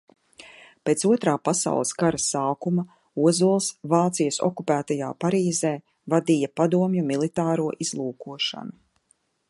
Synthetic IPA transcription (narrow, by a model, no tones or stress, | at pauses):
peːt̪suɔt̪ɾaːpasa̰wlˠiskaɾasːaːkumɐ | uɔzuɔlˠsvaːt̪sijəsɔ̰kupæːt̪aja̰ːpaɾiːzeː | vad̪ijapad̪uɔmjumilˠit̪aːɾuɔʔizlˠuːkuɔʃa̰nu